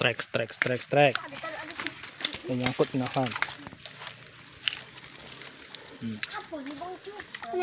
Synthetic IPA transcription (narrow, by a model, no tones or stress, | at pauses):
ɾɛ̰kst̪ɾɛkst̪ɾɛkst̪ɾɛk | ejãkʊt̪nahan